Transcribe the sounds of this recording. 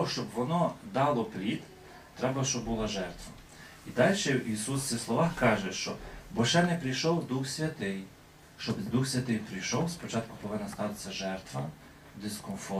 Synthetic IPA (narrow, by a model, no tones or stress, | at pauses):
ɔʃt͡ʃɔbʋɔnɔd̪ɑlˠɔpɾʲid̪ | t̪ɾɛbɐʃt͡ʃɔbbulˠɑʒɛrt̪ʋɐ | id̪ɑlʲʃɛisusʲislˠɔʋɑxkɑʒɛʃt͡ʃɔ̰bɔʃɛnɛpɾʲijʃɔwd̪uxsʲʋʲɐt̪ɪj | ʃt͡ʃɔbd̪uxsʲʋʲɐt̪ɪjpɾʲɪjʃɔwspɔt͡ʃɑt̪kʊ̥pɔʋɪnːɐst̪ɑt̪ɪ̥sʲɐʒɛrt̪ʋɐ | d̪ɪskɔnfɔ